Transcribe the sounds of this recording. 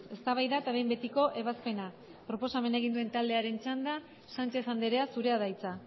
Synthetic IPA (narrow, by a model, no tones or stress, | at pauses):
e̞st̪aβajðaet̪aβe̞jmbe̞t̪iko̞ʔe̞βaspe̞na | pɾo̞po̞same̞nae̞ɣ̞ind̪ue̞nt̪ald̪e̞aɾe̞nt͡ʃand̪a | sant͡ʃe̞sand̪eɾe̞asuɾe̞aðajt͡sa